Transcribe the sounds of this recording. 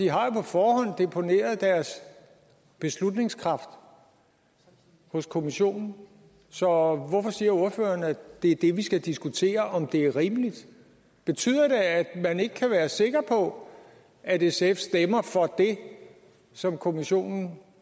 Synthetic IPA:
iɦɑ̈jo̝pʰɒ̽fɒːɦɒ̽n̰d̥e̝pʰo̝ne̝̰ːɐð̩ˠd̥æɐs | b̥e̝slud̥ne̝ŋskʰʁɑ̈fd̥ | hɔ̽skʰo̝miɕo̝̰ːnn̩ | sɒ̽ʋɒfɒ̽siːɐo̝ɐfø̰ːɐnæ̥d̥e̝æɐd̥e̝ʋisɡ̥æd̥isɡ̥ut͡sʰe̝̰ːɐʔɒ̽md̥e̝æɐʁimlid̥ | b̥e̝t͡sʰy̰ð̰ˠɐɾe̝æd̥mæne̝ɡ̥əkʰæʋæːɐse̝ɡ̥ɐpʰɒ̽ | æɾesefsd̥emɐfɒ̽d̥e̝ | sɒ̽mkʰo̝miɕo̝̰ːnn̩

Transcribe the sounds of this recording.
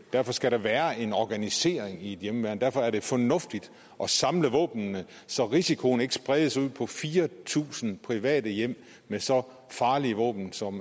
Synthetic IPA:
d̥æɐfɒ̽sɡ̥æɾ̥ɑ̈ʋæːɐe̝nɒɡ̥ænise̝̰ːɐeŋie̝d̥jemʋæɐnd̥æɐfɒ̽æɐɾ̥e̝fɒ̽nɔ̽fd̥id̥ | ʔɒ̽sɑ̈mləʋɔ̰ːb̥nːə | sɒ̽ʁisikʰo̝n̩e̝ɡ̥ə̥sb̥ʁɛðˠəsuð̞̰ˠpʰɒ̽fiːɐt͡sʰṵːsn̩pʰʁiʋɛ̰ːd̥əjem̰ | mesɒ̽ | fɑ̈ːliʋɔ̰ːb̥n̩sɒ̽m

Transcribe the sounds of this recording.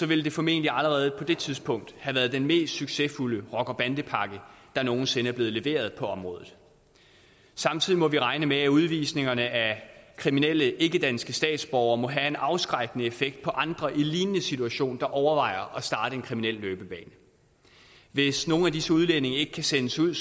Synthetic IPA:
sɒ̽ʋe̝ld̥e̝fɒ̽me̝̰ːnliæləʁɛːð̞̩ˠpʰɒ̽d̥e̝t͡sʰiðˠspʰɔ̽ŋ̰d̥hæʋæːɐð̞ˠd̥enme̝̰ːsd̥syɡ̥sefuləʁɒɡ̥ɒb̥ænd̥əpʰɑ̈ɡ̥əd̥ɑ̈no̝ːn̩se̝nəæɐb̥le̝ːð̩ˠle̝ʋe̝̰ːɐð̞ˠpʰɒ̽ɒ̽mʁɔ̽ːð̩ˠ | sɑ̈mt͡sʰiðˠimɒ̽ʋiʁɑ̈ɪnəmeæuð̞ˠʋḭːsne̝ŋɐnəækʰʁiminel̰əʔe̝ɡ̥əd̥ænsɡ̥əsd̥ɛ̰ːd̥sb̥ɒʊɐːmɒ̽ɦæe̝nɑ̈ʊsɡ̥ʁɑɡ̥ənəefeɡ̥̚d̥̚pʰɒ̽ʔɑ̈nd̥ʁɐʔiliːnənəsit͡sʰuæɕo̝̰ːnd̥ɑ̈ʔɒʊɐʋɑ̈ɪ̰ɐʔɒ̽sd̥ɑ̈ːɾəe̝nkʰʁiminel̰løːb̥əb̥ɛ̰ːn | ʋe̝sno̝ːn̩æd̥isəuð̞ˠlene̝ŋɐe̝ɡ̥əkʰæsenəsuð̰ˠ

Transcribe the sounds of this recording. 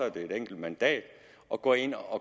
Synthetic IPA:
ɒ̽æɐd̥e̝e̝d̥eŋ̰ɡ̥l̩d̥mænd̥ɛ̰ːd̥ | ʔɒ̽ɡ̥ɒ̰e̝n̰ɒ̽

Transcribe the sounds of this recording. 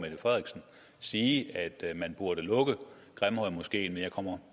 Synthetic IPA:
med̥əfʁɛðˠʁiɡ̥sn̩ | siːæd̥mænb̥uɐɾ̥əlɔ̽ɡ̥ə | ɡ̥ʁamhɒɪmɔ̽sɡ̥e̝̰ːnmenjɑ̈ɪkʰɒ̽m̰ɐ

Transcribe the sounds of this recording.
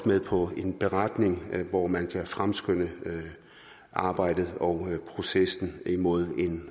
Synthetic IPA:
meðˠpʰɒ̽e̝nb̥e̝ʁad̥ne̝ŋʋɒmænkʰæfʁamsɡ̥øn̰ə | ʔɑ̈ːb̥ɑ̈ɪ̰d̥ð̞̩ˠɒ̽ʊpʰʁo̝sesn̩imo̝ð̞̰ˠe̝n

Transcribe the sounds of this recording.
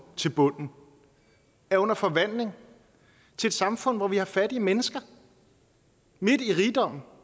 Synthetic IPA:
t͡sʰe̝lb̥ɔ̽n̰n̩ | æɐɔ̽nɐfɒ̽ʋæn̰le̝ŋ | t͡sʰe̝ed̥sɑ̈mfɔ̽n̰ʋɒʋihɑ̈fæd̥iəmenəsɡ̥ɐ | me̝d̥iʁiːd̥ɒ̽m̰n̩

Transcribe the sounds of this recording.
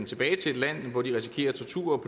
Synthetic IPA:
nt͡sʰe̝b̥ɛːɪt͡sʰe̝e̝d̥læn̰ʋɒd̥iʁɛsi̥kʰe̝̰ːɐt͡sʰɒt͡sʰṵɐɒ̽pʰo̝

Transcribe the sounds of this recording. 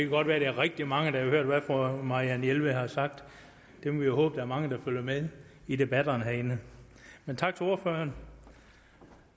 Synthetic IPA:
d̥ekʰæɡ̥ɒ̽d̥ʋæːɐɾ̥eæɐʁɛɡ̥̚d̥imɑ̈ŋəd̥ɑhɑhøɐ̰d̥ʋæfɒmɑ̈iænelʋəhɑ̈sɑ̈ɡ̥̚d̥ | d̥e̝mɒʋijohɔːb̥əd̥ææɐmɑ̈ŋəd̥ɑ̈føljɐmeðˠide̝b̥æd̥ɐnɦæɐe̝nə | ment͡sʰɑ̈ɡ̥t͡sʰe̝o̝ɐføːɐn

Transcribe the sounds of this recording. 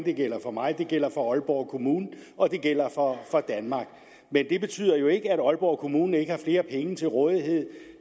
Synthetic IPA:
d̥e̝ɡ̥el̰ɐfɒ̽mɑ̈ɪd̥e̝ɡ̥el̰ɐfɒ̽ɒ̽lb̥ɒ̰ʊkʰo̝muːnn̩ɒ̽d̥e̝ɡ̥el̰ɐfɒ̽fɒ̽d̥ænmɑ̈ɡ̥ | mend̥e̝b̥e̝t͡sʰy̰ːð̰ˠɐjo̝e̝ɡ̥əæɾɒ̽lb̥ɒʊ̰kʰo̝muːnn̩e̝ɡ̥əhɑ̈fle̝ːɐpʰeŋət͡sʰe̝lʁɔ̽ːð̞ˠiɦe̝ð̞̰ˠ

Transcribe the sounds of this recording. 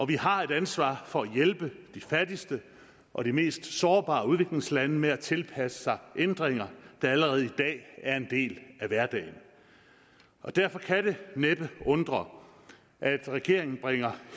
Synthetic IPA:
ʔɒ̽ʋiɦɑ̈e̝ɾ̥ænsʋɑ̰̈ːfɒ̽æjelb̥əd̥ifæɐd̥isd̥ə | ʔɒ̽ɾ̥ime̝̰ːsd̥sɒːb̥ɑ̰̈ːuð̞ˠʋe̝ɡ̥le̝ŋslænəmeæt͡sʰe̝lpʰæsə̥sɑ̈ɪʔend̥ʁeŋɐd̥ɑ̈æləʁɛːð̞̩ˠid̥ɛ̰ːæɐe̝nd̥e̝̰ːlæʋæɐd̥ɛ̰ːɪn | ɒ̽d̥æɐfɒ̽kʰæɾeneb̥əɔ̽nd̥ʁɐ | ʔæd̥ʁɛɡ̥e̝ɐ̰e̝ŋn̩b̥ʁeŋ̰ɐ

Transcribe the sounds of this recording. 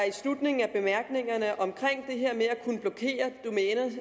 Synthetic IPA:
æɐislud̥ne̝ŋ̩æb̥e̝mæɐɡ̥ne̝ŋɐnəʔɒ̽mkʰʁeŋ̰d̥e̝ɦeɐ̰meækʰunəb̥lɒkʰe̝̰ːɐd̥omeːnɐ

